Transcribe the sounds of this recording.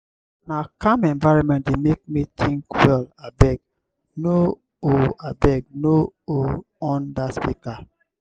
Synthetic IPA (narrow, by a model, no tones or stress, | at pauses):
nakãmɛ̃nvaɹɔ̃nmɛ̃nt̚demek̚mitʰĩŋkwɛlabɛɡ̚ | no | oabɛɡ̚noo | ɔ̃ndaspika